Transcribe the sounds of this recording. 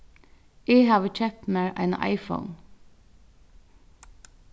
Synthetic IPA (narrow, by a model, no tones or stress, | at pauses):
ʔiːhɑːʋət͡ʃʰɛpmeːɹʔæ̰ɪn̰ʔɑ̰ɪfə̰ʊn